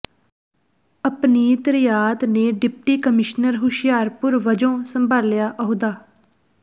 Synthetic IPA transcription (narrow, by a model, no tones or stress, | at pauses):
əpniːt̪əɾɪjaːt̪neːɖɪp̚ʈiːkəmɪʃnəɾɦʊʃɪjaːɾpʊɾʋəd͡ʒõːsəmbʱaːljaːʔəɦod̪aː